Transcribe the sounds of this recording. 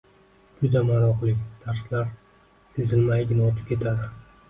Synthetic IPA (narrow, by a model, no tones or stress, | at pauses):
d͡ʒʊd̪amaɾɒqlˠɪkʲd̪̥ʰaɾslaɾ | sezɪlmajɡʲɪnɒt̪ʰɪp̚kʲe̞t̪ʰad̪ɪ